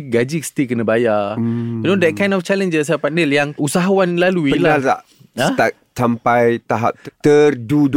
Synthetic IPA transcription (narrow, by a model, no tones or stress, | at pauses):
ɡad͡ʒikst̪ikənəbaja | nõdɛt̚kãj̃ndɔft͡ʃalə̃nd͡ʒəsdapat̚nəljaŋusaɦawanlaluiəlalta̰ʔ | at̪ak̚t͡ʃampajt̪aɦa̰p̪̚tt̪ərdud